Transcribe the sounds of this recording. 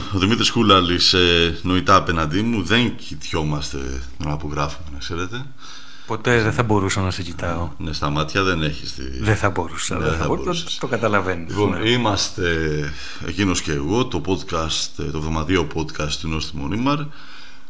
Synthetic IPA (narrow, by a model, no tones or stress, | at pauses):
oðimit̪ɾiskulɐliseno̞it̪ɐːpe̞nɐnd̪imuðe̞ŋcit̪ço̞mɐst̪e̞̰nɐːpo̞ɣɾɐfumenɐkse̞ɾe̞t̪e̞ | po̞t̪eðeθɐbo̞ɾusɐnɐsecit̪ɐonest̪ɐmɐt̪çɐðe̞ne̞çist̪ḭðeθɐbo̞ɾusɐ̰eðeθɐboɾsit̪okɐt̪ɐlɐvenlipo̞nimɐst̪e̞̰ː | cino̞sce̞ːɣo̞t̪o̞po̞d̪kɐst̪t̪ovðo̞mɐðio̞po̞d̪kɐst̪ːuno̞st̪imo̰nimɐɾ